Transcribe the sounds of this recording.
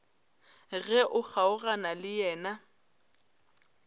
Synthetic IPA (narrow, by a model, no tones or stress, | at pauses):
ɣɛʔʊk͡xʰaʊɣanalɪjɛːna